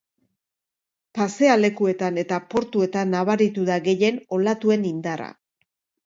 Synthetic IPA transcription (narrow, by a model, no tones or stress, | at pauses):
pase̞ale̞kue̞t̪ane̞t̪apo̞ɾt̪ue̞t̪anːaβ̞aɾit̪uðaɣe̞je̞no̞lat̪ue̞nind̪ara̰